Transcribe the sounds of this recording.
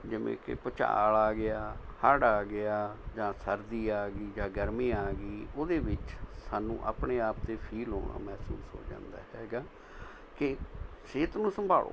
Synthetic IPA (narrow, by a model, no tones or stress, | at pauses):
d͡ʒɪʋḛ̃ːkɪ̰pət͡ʃa̰ːɭaːɡɪaːhaːɽaːɡɪjaːd͡ʒãːsəɾd̪iːaːɡiːd͡ʒãːɡəɾmiːaːɡiːoːd̪eːʋɪt͡ʃsaːnṵ̃ːʔa̰ːpɳeːaːpt̪eːpʰiːlɦo̰ːɽã̰ːmɛːsṵːsɦo̰ːd͡ʒã̰ːnd̪a̰ːɦɛːɡaː | kɪ | ʃeːt̪nũːsəmbʱa̰ːlo̰ː